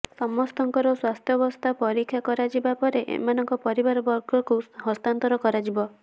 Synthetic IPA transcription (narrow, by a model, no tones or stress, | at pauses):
sɔmɔst̪ʰɔŋkɔɾɔswast̪ʰjɔbɔst̪ʰapɔɾikʰjakɔɾad͡ʒibapɔɾeʔḛmanɔŋkɔpɔɾibaɾɔbɔɾɡɔkuɦɔst̪ant̪ɔɾɔkɔɾad͡ʒibɔ